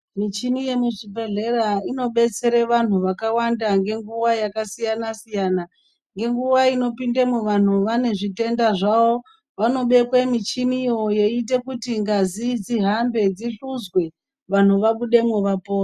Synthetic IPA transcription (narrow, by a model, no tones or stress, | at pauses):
mit͡ʃimije̞muʐibʱeɮe̞ɾaino̞ɓe̞t͡se̞ɾeʋan̤uʋakawandaŋɡe̞ŋɡuwajakasijanasijaːna | ŋɡe̞ŋɡuʋaino̞pindemuʋan̤uʋane̞ʐite̞ndaʐawo̞ | ʋano̞ɓe̞kwemit͡ʃimijo̞je̞ite̞kutiŋɡazid͡ziɦambe̞d͡ziɬuzɡwe̞ | ʋan̤uʋaɓuɗe̞muʋapo̞ːra